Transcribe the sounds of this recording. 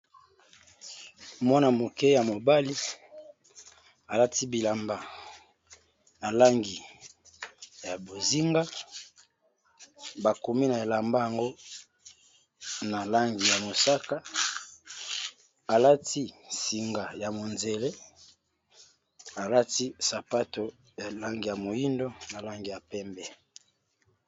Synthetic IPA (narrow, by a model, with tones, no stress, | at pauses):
mwa˦na˨mo˨kɛ˦ja˨mo˨ba˦li˦ | a˨la˦ti˦bi˨la˨mba˦ | na˨la˦ŋɡi˨ | ja˨bo˨zi˦ŋɡa˦ | ba˨ko˨mi˦na˨e˨la˨mba˦ja˨ŋɡo˦ | na˨la˦ŋɡi˨ja˨mo˨sa˦ka˦ | a˨la˦ti˦si˨ŋɡa˨ja˨mo˨nze˨le˦ | a˨la˦ti˦sa˨pa˦to˨ | ja˨la˦ŋɡi˨ja˨mo˨ji˦ndo˦na˨la˦ŋɡi˨ja˨pɛ˦mbɛ˦